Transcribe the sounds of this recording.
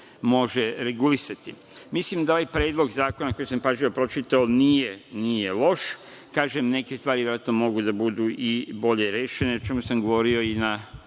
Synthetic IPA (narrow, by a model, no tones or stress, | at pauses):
mo̞ʒeɾeɡulisat̪i | mislimd̪ao̞ʋajpɾeːd̪lo̞ɡzaːko̞nako̞jisampaʒiopɾo̞t͡ʃit̪aonije̞nije̞lo̞ʃ | kaːʒemne̞kest̪ʋaːɾiʋeɾaːt̪nomo̞ɡud̪abud̪uʔibo̞ʎe̞ɾeːʃeneot͡ʃe̞musamɡo̞ʋo̞ɾio̞ina